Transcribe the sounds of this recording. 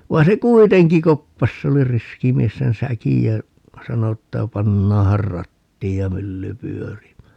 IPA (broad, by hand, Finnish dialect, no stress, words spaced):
ʋɑi̯n se kuiteŋki kopːɑs se oli riski mies sen sækij jæ sɑno etːæ pɑnːɑːhɑr rɑtːiːj jɑ mylːy pyørimæː